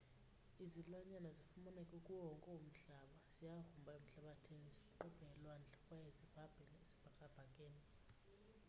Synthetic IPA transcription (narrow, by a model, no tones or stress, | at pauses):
izilwaɲanazifumunɛkʼukʼuwɔŋkʼɛwum̩ɬaɓaz̥ijaxumbʱaem̩ɬaɓatʰeŋizikʼuǃɔb̥ʱɛŋɛlwand͡ɮʱakʼwajezib̥ʱab̥ʱɛnesi̥b̥ʱakʼab̥ʱaŋkʼeːni